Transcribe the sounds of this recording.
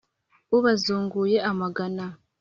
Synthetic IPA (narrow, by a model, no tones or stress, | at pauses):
uβazuːŋɡuje̞ʔamaɡana